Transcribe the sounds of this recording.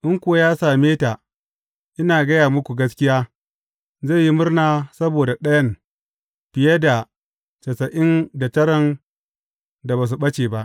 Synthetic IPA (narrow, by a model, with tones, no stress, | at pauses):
ʔɪ˦ŋkʷʊ˦a˦jaː˦saː˨meː˦taː˨ | ʔɪ˦naː˨ɡɐ˦jaː˨mʊ˦kʷu˨ɡɐ˦skʲɪ˦jaː˦ | ze˦˨ji˦mʊ˦rnaː˦sɐ˦boː˨da˨ɗɐ˦jɐ˦˨n | b̥ɪ˨je˦da˨ | t͡ʃɐ˨sɐ˨ʔɪ˦nda˨tɐ˦ɾɐ˨n | da˨baː˨s̬u˨ɓɐ˦t͡ʃeː˨ba˦ʔ